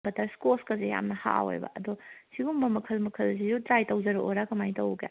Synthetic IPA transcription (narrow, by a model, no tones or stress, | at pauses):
bɐtɐɾskoskɐzeja̰mnɐha̰o̰jbɐ̰ʔɐdɔsiɡumbɐmɐkʰɐlmɐkʰɐlsizutɾajtɐwd͡ʒɐɾuʔoɾakɐmajtɐwɡḛ